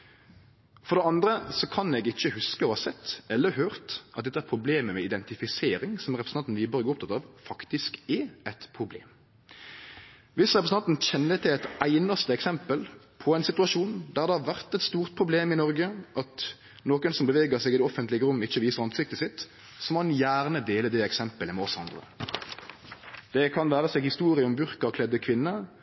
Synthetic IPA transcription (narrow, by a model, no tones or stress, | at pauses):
fɔʁd̪ɛɑnd̪ɾəsɔkʰɑnɛɡɪçːəhʉskəohɑsɛt̪ːɛlːəɦøːʁt̪ʔɑt̪d̪ɛt̪ːəæɾpʰɾʊbleːməmɛɪd̪ɛnt̪ɪfɪseːɾɪŋsɔmæɾɛpɾəsnɑnt̪n̩iːbəɾəɡoːʊp̚t̪ʰɑt̪ɑːʋfɑkt̪ɪskɛæt̪pʰɾʊblḛːm | ʋɪsʁɛpɾəsn̩ɑnt̪n̩çɛnːət̪ʰɪlɛɪt̪æɪnɑst̪əɛksɛmpəl | pʰɔæɪnsɪt̪ʉɑʃuːnd̪æʁd̪ɛhɑʋæʁt̪ɛt̪st̪uːʁt̪̚pʰʁʊbleːmɪnɔʁɡəʔɑt̪ | noːkənsɔmbəʋeːɡəʁsɛːɡɪd̪ɛɔfənt̪lɪɡəɾʊmːɪçːəʋiːsəʁɑnsɪk̚t̪əsɪt̪ː | sɔmɑnjæːʁnəd̪eːləd̪ɛɛksɛmpələmɛɔsɑnd̪ʁə̰ | d̪̥ɛkʰɑnʋæːɾəseːɡhɪst̪uːɾɪəɔmbʉɾkəkʰlɛd̪əkʰʋɪnːə